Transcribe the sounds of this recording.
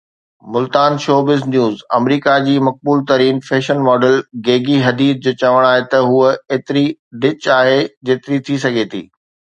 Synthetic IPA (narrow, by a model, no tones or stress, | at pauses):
mʊlt̪aːnʃoːbɪznjuːzɐ̰mɾiːkad͡ʑiːmɐk̚buːlt̪ɐɾiːnfeːʃənmɔːɖəlɡeːɡiɦɐd̪iːd̪̚d͡ʑoːt͡ɕɐʋəɽ̃aːɦet̪ɐɦuəeːt̪ɪɾiɖɪt͡ɕaːɦed͡ʑeːt̪ɪɾit̪ʰisɐɡʱet̪ʰḭː